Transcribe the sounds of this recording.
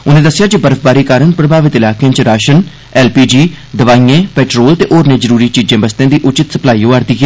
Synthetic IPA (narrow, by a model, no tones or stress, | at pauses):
ʊnẽːd̪əsɪjaːd͡ʒibəɾəfʰbaːɾiːkaːɾənpɾəbʱaːʋɪt̪ɪlaːkeãːt͡ʃɾaːʃən | ɛːlpiːd͡ʒiː | d̪əʋaːiẽːpɛːʈɾoːlt̪eːʔoːɾnẽːzəɾuːɾiːt͡ʃiːd͡ʒẽːbəst̪jãːd̪iːʔʊt͡ʃɪt̪səplaːiːõːaːɾd̪iːɦɛː